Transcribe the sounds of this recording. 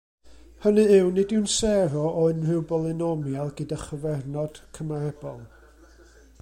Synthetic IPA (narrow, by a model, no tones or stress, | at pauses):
hənɨɪwnɨdɪwnsɛɾɔʔɔɪnrɪwbɔlˠɪnɔmjalˠɡədaχəvɛrnɔd̥kʰəmaɛbɔlˠ